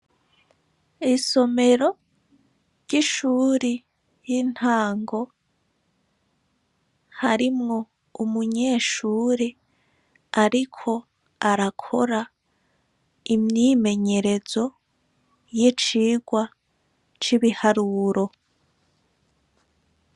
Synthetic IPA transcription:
iso̞me̞ɾo̞ | ɾɟ̥iʃuːɾi | jin̥haːŋɡo̞ | haɾimŋo̞ | umuɲe̞ːʃuːɾe | aɾikʰo̞ | aɾakʰo̞ɾa | imɲiːme̞ɲe̞ɾe̞z̥o̞ | jit͡ʃiːɡwa | t͡ʃiβihaɾuːɾo̞

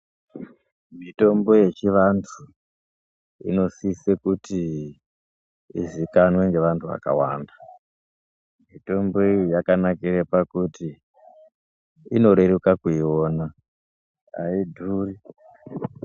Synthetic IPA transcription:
mito̞mbo̞je̞t͡ʃiʋantʰu | ḭno̞sisekuti | ʐikanweŋɡe̞ʋantʰuʋa̰ka̰wa̰ːnda | mito̞mbo̞ijijakanakiɾepakuti | ino̞ɾe̞ɾukakuioːna | a̰idʱuːri

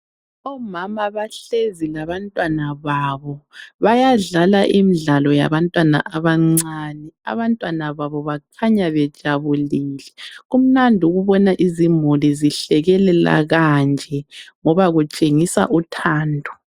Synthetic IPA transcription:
ɔmamaβaɬezilaβantʼwanaβaβɔβajaɮalaʔimiɮalɔja̰βantʼwana̰ʔaβaŋ͡ǀanɛa̰βantʼwanaβaβɔβakʰaɲaβɛd̥ʒ̥ʱaβuliːlɛɣum̩nandʱuɣuβɔnaʔizimuliziɬɛɣɛlɛla̰ɣand͡ʒʱɛŋɔβaɣut͡ʃʼeŋisa̰ʔutʰaːndʱɔ̥

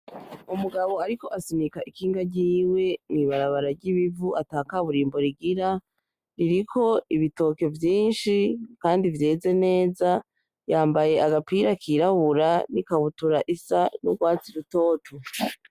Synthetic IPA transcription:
umuɡaβo̞aɾiko̞ʔasimikaʔikʰiːŋɡaɟiːwe̞mŋiːβaɾaβaɾaɾɟiβivuʔataːkaβuɾiːmbo̞ɾiɡiɾa | ɾiɾikʰo̞iβito̞ke̞vjiːnʃikaːndivje̞ːze̞ne̞ːza | jaːmbaje̞aɡapiːɾakʰiɾaβuɾanikaβutuɾaʔisanuɡwaːt͡siɾuto̞ːtʰo

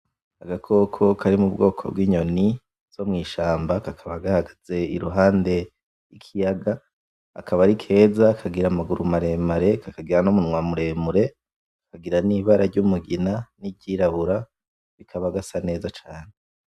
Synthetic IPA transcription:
aɡakʰo̞kʰo̞kʰaɾimubɡo̞ːkʰo̞̰b̚ɡwiːɲo̞ni | z̥o̞mŋiːʃaːmbakakʰaβaɡahaɡaz̥e̞iɾuɦaːnde̞ | jikʰijaɡaː | kʰaβaɾikʰe̞ːzakʰaɡiɾamaɡuɾumaɾe̞ːmaɾe̞kakaɡiɾanomunŋwamuɾe̞ːmuɾe̞ | akaɡiɾaniβaɾaɾɟumuɡinanibɟiːɾaβuɾa | βikʰaβaɡasane̞ːzat͡ʃaːne

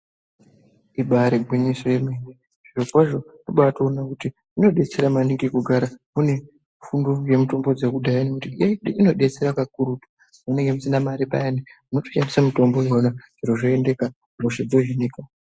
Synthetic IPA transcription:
iɓaɾeɡʱwiɲisojemene | ʐ̥irokwaʐo̞noɓatoːnakuti | ino̞ɗe̞t͡se̞ɾamaniŋɡikuɡʱaɾamune̞ | funduje̞muto̞mbo̞d͡zekudajanekutiijeino̞ɗe̞t͡se̞ɾakak̚uɾutu̥ | mune̞ŋɡemusinamaɾipa̰enimuno̞to̥ʃamisamito̞mbo̞jonaʐ̥iroʐoe̞nde̞ka | roʃed͡zo̞ʒinika

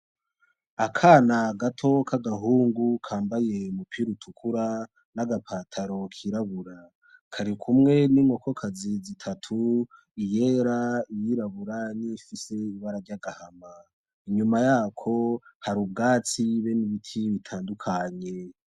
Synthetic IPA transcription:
akʰaːnaɡatʰo̞kʰaɡaɦuːŋɡukʰaːmbaje̞mupʰiɾutʰukʰuɾa | naɡapʰaːtʰaɾo̞kʰiɾaβuɾa | kʰaɾikʰumŋe̞nimŋo̞ko̞kʰazizitʰatʰu | ije̞ːɾaijiɾaβuɾanifise̞iβaɾaɾɟaɡahama | iɲumajaːkʰo̞haɾub̚ɡaːt͡siβeniβitʰiβitʰaːndukʰaɲe̞

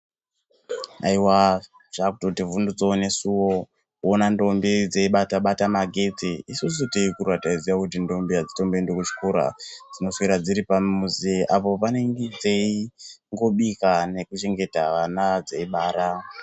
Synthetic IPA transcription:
a̰iwa | ʐ̥akutotivundut͡sone̞suwo̞ | onando̞mbid͡zeiɓataɓatamaɡʱe̞t͡siisusuteikurwataizijakutindo̞mbijad͡zito̞mbendokut͡ʃi̥koɾa̰d͡zino̞siɾad͡ziɾipamuzeʔapo̞pane̞ŋɡed͡zeiŋɡo̞ɓikane̞kut͡ʃe̞ŋɡe̞taʋanad͡zeiɓaːɾa

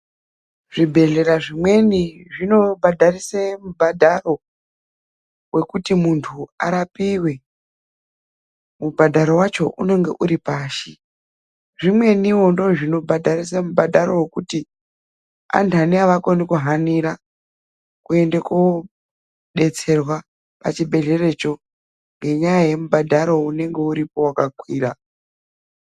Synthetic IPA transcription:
ʐ̥ibʱe̞ɮe̞ɾaʐimwe̞niʐino̞bʱadʱarisemubʱadʱaro̞ | we̞kutimuntʰua̰ɾapiːwe̞ | mubʱadʱaɾo̞wat͡ʃo̞ʔuno̞ŋɡe̞̰ʔuɾipaːʃi | ʐimwe̞niwo̞ndo̞ʐino̞bʱadʱarisamubadʱaɾo̞wekuti | a̰ntʰuaniaʋako̞nikuɦaniɾa | kue̞ndeku | ɗe̞t͡se̞rwa | pa̰t͡ʃibʱe̞ɮe̞re̞t͡ʃo̞ | ŋɡe̞ɲajaje̞mubadʱaɾo̞une̞ŋɡe̞uɾipo̞wakakwiːra

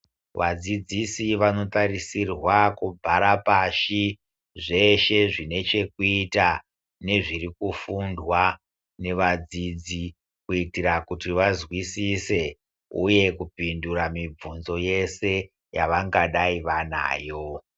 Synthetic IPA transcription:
ʋad͡zid͡zisiʋano̞taɾisirwakubʱaɾapaʃi | ʐe̞ʃe̞ʐine̞t͡ʃe̞kuita | ne̞ʐirikufundwa | ne̞ʋad͡zid͡zi | kuitiɾakutiʋazwisise̞ | uje̞kupinduɾamib͡vunzo̞je̞se̞ | jaʋaŋɡaɗaiʋana̰ːjo̞

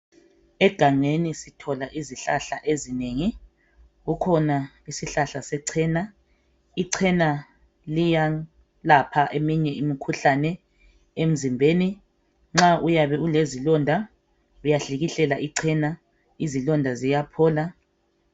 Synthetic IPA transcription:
ɛɡ̥ʱaŋ͡ǀenisitʰɔlaʔiziɬaɬaʔezineːŋi | ɣukʰɔna | isiɬaɬasɛǀʰɛːna | iǀʰɛna | lija | lapʰaʔemiɲɛimikʰuɬanɛ | em̩zimbʱeːni | ŋ͡ǁaʔujaβɛulezilɔndʱa | ujaɬiɣiɬɛlaʔiǀʰɛna | izilɔndʱazijapʰɔːla

